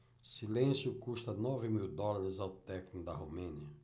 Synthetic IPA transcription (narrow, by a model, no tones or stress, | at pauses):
silẽsjʊkust̪ɐnɔvɪmiwd̪ɔlaɾɪzawt̪ɛknʊd̪ɐɦomẽniɐ